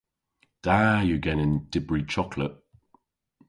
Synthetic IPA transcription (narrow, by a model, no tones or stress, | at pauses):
d̥ajəɡɛnɪ̃nd̥ɪbɹit͡ʃʰɒkʰləʔ̚